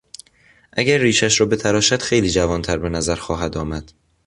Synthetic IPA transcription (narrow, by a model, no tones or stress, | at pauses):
ʔæɟæɾːiːʃæʃɾɒːbe̞t̪ʰæɾɒːʃæd̪̥xe̞jliːd͡ʒævɒːnt̪ʰæɾbe̞næzæɾxɒːɦæd̪ɒːmæd̪̥